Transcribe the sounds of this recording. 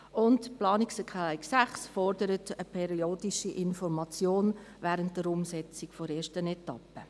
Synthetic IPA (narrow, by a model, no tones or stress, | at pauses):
ʊntplɑːniksɛkʰaɪksæχsfɔrdəɾətəpʰɛɾioːdiʃiʔɪnfɔɾmɑt͡sjoːnvɛːɾənt̚d̥əɾʊmsɛt͡sɪkfɔɾeːʃtənɛtɑ̰pə